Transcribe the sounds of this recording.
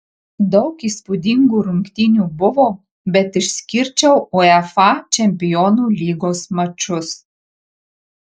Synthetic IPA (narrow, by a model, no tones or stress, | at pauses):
d̪ɒʊkiːspʊd̪ʲiŋɡuːɾʊŋkt̪ʲinʲuːbʊʋoː | bʲɛt̪ɪʃʲsʲkʲɪɾʲt͡ʃʲɛʊuɛfɑt͡ʃʲɛmʲpʲɪjɔːnuːlʲiːɡoːsmɐt͡ʃʲʊs